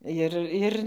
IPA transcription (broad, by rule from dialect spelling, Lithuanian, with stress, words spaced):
ˈjɪr ˈɪr